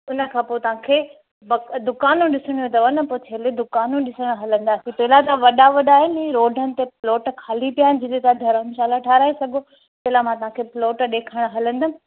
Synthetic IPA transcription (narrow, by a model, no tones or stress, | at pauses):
ʊnə̆kʰãːpoːt̪ɐʋ̤ãkʰeː | bɐkd̪ʊkaːnũɗɪsɪɽ̃ijũt̪ɐʋɐnəpoːt͡ɕʰeːled̪ʊkaːnũɗɪsəɽ̃ɦɐlə̃nd̪aːsĩpɐɦɪlat̪ɐʋɐɗaʋɐɗaːɦɪnɪɛ̃ɾoːɖʱənɪ̆t̪eploːʈkʰaːlipijaːɦɪnɪ̆d͡ʑɪt̪et̪ad̪ʱɐɾənʃaːlaʈʰaːɾaːesɐɡʱo | pɐɦɪlamãt̪ɐʋɦãkʰeːpɪloːʈɗeːkʰəɽ̃ɦɐlə̃nd̪ənɪ̆